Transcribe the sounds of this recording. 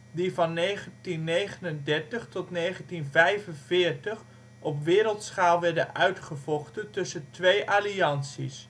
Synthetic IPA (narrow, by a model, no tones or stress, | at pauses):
divɑnːejχəntinːejχənəndɛɹtəχtɔtnejχəntinvɛjvənvɪːɹtəχ | ʔɔpʋɪːɾəlˠtsχaːlˠʋɛɹdənœɥtχəvɔχtəntɵsəntʋejʔaːliɑnsḭs